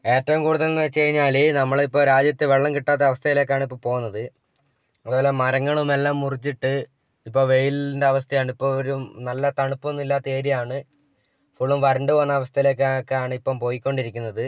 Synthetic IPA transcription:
e̞ːtːɐʋumkuːɽuðɐlnt͡ɕːejiɲːaːlinɐmːɐɭipːo̞ːɾaːd͡ʑjɐt̪ːɨʋeɭːɐmkiʈːaːt̪ːeɐʋɐst̪ʰɐjile̞ːkːaːɳipːoːɭpo̞ːunːɐðɨ | ɐðoːlemɐɾɐŋːɐɭumelːaːmːurit͡ɕːiʈːɨ | ipːo̞ːʋe̞jilindeɐʋɐst̪ʰɐjaːɳɨipːo̞ːɭoɾunɐlːɐt̪ɐɳupːunːilːaːt̪ːɐe̞ːɾijaːɳɨ | fuɭːumʋɐɾɐɳɖɨʋɐnːɐɐʋɐst̪ʰɐjile̞ːkːkːeaːɳɨipːoːmpo̞ːjikʲːo̞ɳɖiɾikʲːunːɐðɨ

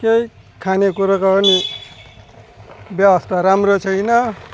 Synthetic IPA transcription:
kej | kʰanekuɾakaʌni | bjʌwʌst̪ʰaɾamrot͡sʰʌjnʌ

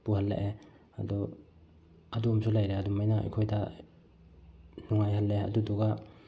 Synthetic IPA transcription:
puhɐlːḛʔe | ɐ̰dɔ | ɐdumsulajɾeadumajnaɐ̰jkʰojda | nuŋajhɐlːeɐ̰duduɡa

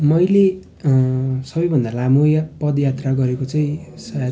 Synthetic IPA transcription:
mʌjle | sʌbʌjbʱʌnd̪alamojpʌd̪jat̪raɡʌɾekot͡saĩsʌja

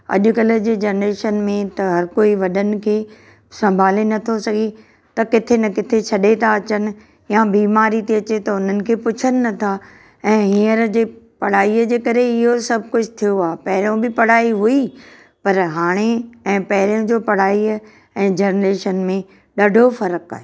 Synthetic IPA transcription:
ɐ̰ʄʊ̆kɐlə̆d͡ʑeːd͡ʑɐːnɾeːʃənmẽt̪ɐɦɐɾkoːiʋɐɗənɪ̆kʰeː | sɐ̃mbʱaːlenɐt̪ʰosɐɡʱe | t̪ɐkɪt̪ʰenɐkɪt̪ʰet͡ɕʰɐɗet̪ʰaɐt͡ɕənɪ̆ | jabiːmaːɾit̪eɐt͡ɕet̪ɐʊn̤ənɪ̆kʰeːpʊt͡ɕʰənɪ̆nɐt̪ʰa | ɛ̃ːɦiəɾd͡ʑeːpɐɽ̤aːiəd͡ʑeːkɐɾeɪɦosɐb̚ʱkʊd͡ʑʰʱʊt̪ʰijoaːepɐɦɪɾijõbɪpɐɽ̤aːiɦui | pɐɾɦaːɽ̃eɛ̃ːpɐɦɪɾijõd͡ʑoːpɐɽ̤aːi | ɛ̃ːd͡ʑɐːnɾeːʃənmẽ | ɗɐɖʱofɐɾəka̰ːɦeː

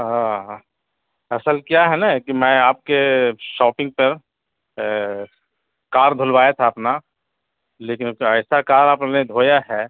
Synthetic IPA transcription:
ɦã | ɐsəlkjaɦɛnakimɛ̃ːaːp̚keʃɔːpɪ̃ŋɡ̚pɐɾ | kaːɾd̪ʱʊlʋaːjat̪ʰaɐpna | leːkɪnəɪsakaːɾaːpned̪ʱoːjaɦɛː

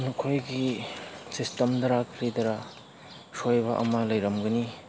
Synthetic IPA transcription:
nukʰojɡisistɐmdɐɾakʰɾidɐɾa | sojbɐʔɐ̰malɐjɾɐmɡɐni

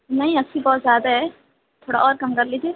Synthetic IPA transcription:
nɐɦĩɐsʰibɔːt̪zʲjaːd̪aɦɛ | t̪ʰoːɽa̰ɔːɾkɐmkɐɾliːd͡ʒieː

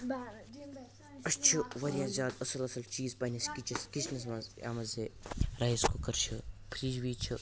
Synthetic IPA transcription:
ɐst͡ʃʰuʋɐɾʲjaːzʲaːd̪ɐsɐlɐsɐlt͡ʃiːzpɐnɐskit͡ʃɐskit͡ʃnɐs̬mɐza̰ːmɐzeɾaːiskukɐɾt͡ʃʰupʰɾiːd͡ʒʋiːt͡ʃʰu

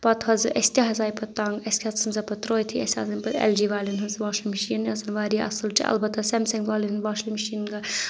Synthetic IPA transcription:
pɐt̪hɐzʔɐsʲt̪ʲiɦɐzaːjpɐt̪ːɐŋɡɐsʲkʲɐt͡sʰːɐnzɐpɐt̪ɾoːjt̪ʰiɐ̰sʲa̰ːzɐnʲpɐd̪ɛ̰ld͡ʒiːʋaːlinɦɐzʋaːʃlimɐʃiːnjɐsɐnʋaːɾiːʔɐ̰sɨlt͡ʃḭɐ̰lbɐt̪ːɐsɛmsɐŋɡʋaːlinnʋaːʃlimɐʃiːnɡɐ

